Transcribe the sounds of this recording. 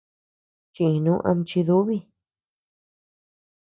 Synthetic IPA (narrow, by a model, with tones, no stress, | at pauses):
t͡ʃĩ˧ĩ˧nũ˦ʔã̰˧mt͡ʃi˧ðu˦βi˦˧